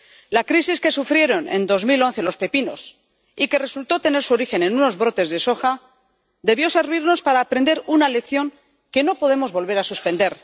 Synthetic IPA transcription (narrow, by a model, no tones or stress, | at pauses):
lakɾisiske̞sufɾje̞ɾo̞ne̞̰nd̪o̞zmilo̞nθe̞lo̞spepino̞̰s | ike̞re̞sult̪o̞t̪e̞ne̞ɾsuoɾixe̞ne̞nuno̞zβɾo̞t̪e̞zðeso̞xa | d̪e̞βjo̞se̞ɾβiɾno̞spaɾaːpɾend̪e̞ɾunale̞kθjo̞ŋ | ke̞no̞po̞ðe̞mo̞zβo̞lβe̞ɾasuspẽ̞nd̪e̞ɾ